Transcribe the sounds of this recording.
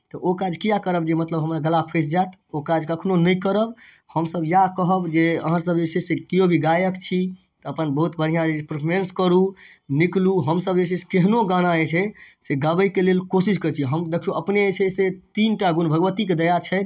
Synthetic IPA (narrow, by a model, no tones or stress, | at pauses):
t̪ɔʔokad͡ʒʱkijakəɾəbd͡ʒemət̪ləbɦəmɾaɡəlapʰes̬d͡ʒat̪okad͡ʒkəkʰnonəjkəɾəb | həmsəbjakəɦəbd͡ʒeə̰ɦə̃səbet͡ʃʰɛsekijobʱiɡajəkt͡ʃʰi | t̪əəpənbəɦut̪bʱən̤ijãd͡ʒepɾpʰoɾenskəɾu | nikluɦəmsəbd͡ʒeseskeɦnoɡañaɛt͡ʃʰɛseɡəbəikelelkosiskəɾt͡ʃʰiɦəmd̪ekʰuəpneet͡ʃʰɛset̪inʈaɡunbʱəɡʋət̪iked̪əjat͡ʃʰɛ